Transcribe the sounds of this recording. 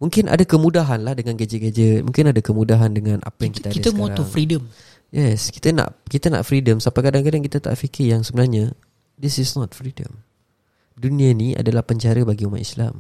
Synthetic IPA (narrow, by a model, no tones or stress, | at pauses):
mũŋkɪnʔa̰dakəmũdaɦanlahdəŋanɡad͡ʒət̪̚ɡed͡ʒət̪̚mũŋkɪnadakəmũdaɦandəŋãna̰pajaŋkit̪ait̪əkɔt̪uŋfɾidəm | jɛski̥t̪əna̰ʔkit̪ana̰ʔfɾidəmsapajkadaŋkadaŋkit̪at̪a̰ʔfikɪrjaŋsəbənarɲa | d̪isɪsnɔt̪̚fɾidə̰m | dunĩania̰dalahpəɲt͡ʃaɾəbaɡiuma̰ʔḭsla̰m